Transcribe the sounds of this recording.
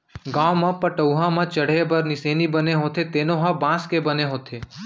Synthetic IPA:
ɡaːwmãpɐʈəuɦãmãt͡ʃɐɽ̤ebɐɾnɪseːnibɐneɦoːt̪ʰet̪eːnõɦãbãːskebɐneɦoːt̪ʰeː

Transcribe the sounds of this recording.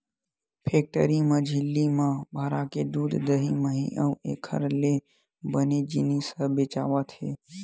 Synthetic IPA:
pʰek̚ʈəɾimãd͡ʒʱɪlːimãbʱaːɾaked̪uːd̪d̪əɦiməɦḭʔəʋekʰə̰ɾle | bəned͡ʒinisəbet͡ʃa̰ʋat̪ʰe

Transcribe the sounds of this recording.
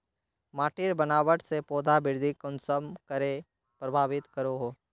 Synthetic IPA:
maːʈɪɾbənaːʋəʈsepɔːd̪ʱabɪɾd̪ʱikɔ̃nsəmkəɾe | pɾɐbʱaːʋɪt̪kəɾoɦoː

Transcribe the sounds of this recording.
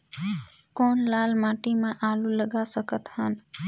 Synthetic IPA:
koːnlalmãːʈimãʔaluləɡasəkət̪hən

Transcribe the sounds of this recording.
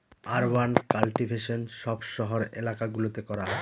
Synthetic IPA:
aɾwankalʈibʱeʃonʃɔbʃɔɦoɾḛlakaɡulot̪ekɔɾa

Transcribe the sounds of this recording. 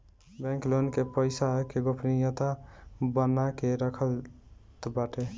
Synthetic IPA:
bɛ̃ŋklonkepəɪsaɦkeɡopʰnijət̪abənakeɾəkʰəlt̪baʈe

